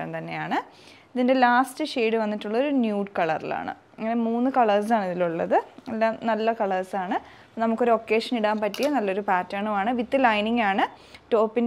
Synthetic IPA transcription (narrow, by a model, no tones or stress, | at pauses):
ɐ̰nt̪ɐnːe̞ja̰ːɳɨ | iðinde̞laːstɨʂeːɽɨʋɐnːitːuɭːɐo̞ɾunjuːɖkɐɭɐ̰rḭla̰ːɳɨ̰ | iŋːɐne̞muːnːɨkɐɭɐrs̬aːɳiðiluɭːɐ̰ðɨelːaːmnɐlːɐkɐɭɐrsaːɳɨ | nɐmukːo̞ɾuokːe̞ːʂɐniɽaːmpɐtːijɐnɐlːo̞ɾupaːtːaːɳumaːɳɨʋit̪ːɨlɐjniŋɡaːɳɨ | ʈo̞ːpːin